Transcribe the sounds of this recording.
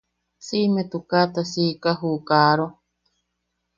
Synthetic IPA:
simet̪ukat̪asikaɦukaːɾo

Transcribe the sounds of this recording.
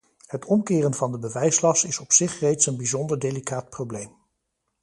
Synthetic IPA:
hətʰɔmkɪːrənvɑndəbəʋɛjslɑsɪsɔpsɪχrejtsənbizɔndəɹdejlikaːt̚prowblejm

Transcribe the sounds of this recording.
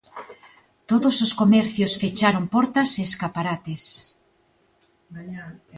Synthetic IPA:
t̪oðososkomɛɾθjosfet͡ʃaɾompɔɾt̪ɐseːskapaɾat̪es

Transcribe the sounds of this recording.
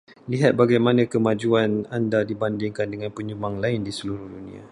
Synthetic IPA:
liɦat̪̚baɡajmanãkəmãd͡ʒuanandadibandɪŋkandəŋanpəɲumaŋlaɪndisəluɾuhdunḭa̰

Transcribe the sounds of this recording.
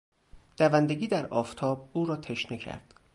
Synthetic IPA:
d̪̥ævænd̪eɡiːd̪æɾʔɒːft̪ʰɒːb̚uːɾɒːt̪ʰeʃnecʰæ̰ɾd̪̥

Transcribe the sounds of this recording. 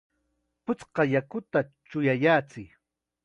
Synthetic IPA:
pʊt͡sqɑjakʊt̪at͡ʃʊjajaːt͡sɪk

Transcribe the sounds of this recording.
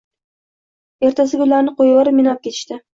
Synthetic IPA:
e̞ɾt̪ʰas̬ɪɡʲʊlaɾnɪqojwɑɾɪmɪnɒp̚kʲʰe̞t̪ʰɪ̥ʃt̪ɪ

